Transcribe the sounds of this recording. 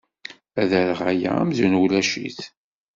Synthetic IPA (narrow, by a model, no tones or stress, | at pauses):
æðəɾʁæja̰æ̰mðənulæʃḭθ